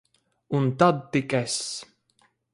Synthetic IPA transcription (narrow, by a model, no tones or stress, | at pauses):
unt̪ad̪̚t̪ikɛs